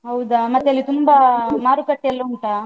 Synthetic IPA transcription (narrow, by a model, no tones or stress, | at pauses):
ɦɐwd̪aːmɐt̪ːeɐlːit̪umbamaːɾukɐʈːeɐlːɐuɳʈaː